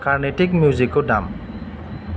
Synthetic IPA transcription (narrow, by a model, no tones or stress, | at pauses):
kaɹneʈik̚mjuzikoɖa̰m